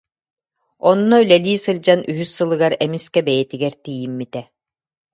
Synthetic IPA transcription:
ɔnːɔylɛliːsɯld͡ʑanʔyɦysːɯlˠɯɡaɾɛmiskɛbɛjɛt̪iɡɛɾt̪ijimːit̪ɛ

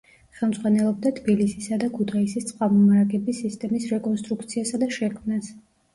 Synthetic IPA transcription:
χɛlˠmd̪zʁwanɛlˠɔb̚d̪at̪ʰbilisisad̪akʰut̪ʰaisist̪sʼχwamɔmaɾaɡʼɛbisist̪ʼɛmisɾɛkʼɔnst̪ʼɾuk̚t̪sʰiasad̪aʃɛkʰmnas

